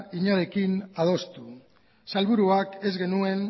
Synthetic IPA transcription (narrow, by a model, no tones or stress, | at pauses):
iɲaɾe̞kinað̞o̞st̪u | salβuɾuake̞zɣe̞nue̞n